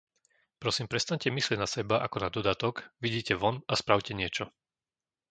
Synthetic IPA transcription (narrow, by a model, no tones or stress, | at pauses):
pɾɔsiːmpɾɛst̪aɲcɛmislɪɛɟnasɛbaʔakɔnad̪ɔd̪at̪ɔkʋiɟiːcɛʋɔnaspɾaʊcɛɲɪɛt͡ʃɔ